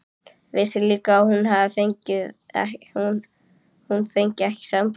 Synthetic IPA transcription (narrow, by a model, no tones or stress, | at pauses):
vɪːsɪliːkaawhunɦaðɪfejɲcɪðɛ̰hu | hunfejɲcɛhcɪ̥samp